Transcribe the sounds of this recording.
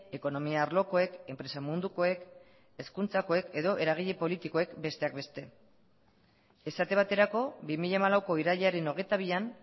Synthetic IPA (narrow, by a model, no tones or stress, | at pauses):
e̞ko̞no̞miaːɾlo̞ko̞e̞ke̞mpɾe̞samund̪uko̞e̞k | e̞skunt͡sako̞e̞ke̞ð̞o̞ʔe̞ɾaɣ̞iʎe̞po̞lit̪iko̞e̞kbe̞st̪e̞ak̚be̞st̪e̞ | esat̪e̞β̞at̪e̞ɾako̞bimiʎamalawko̞iɾaʎaɾe̞no̞ɣe̞jt̪aβ̞ian